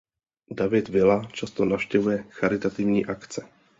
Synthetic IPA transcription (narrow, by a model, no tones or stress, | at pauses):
davɪt̪vɪlat͡ʃast̪onafʃcɛvujɛxaɾɪt̪at̪ɪvɲiːʔakt͡sɛ̥